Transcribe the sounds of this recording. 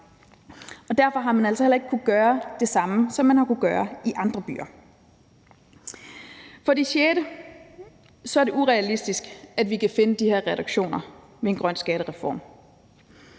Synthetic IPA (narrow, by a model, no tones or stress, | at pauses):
ɒ̽d̥æɐfɒɦɑ̈mænæl̰sɒhelɐe̝ɡ̥̚kʰuð̩ˠɡ̥ɶːɐd̥e̝sɑ̈məsɒ̽mːænhɑ̈kuðɡ̥ɶːɐiʔɑ̈nd̥ʁɐb̥y̰ːɐ | fɒ̽d̥iɕeːɾə | sɒæɐd̥e̝ʔuʁɛælisd̥isɡ̥æd̥ʋikʰæfe̝nəd̥ihe̝ɐ̰ʁɛduɡ̥ɕo̝̰ːnɐ | ʋe̝e̝nɡ̥ʁɶn̰sɡ̥ɛːɾəʁɛfɒ̰ːm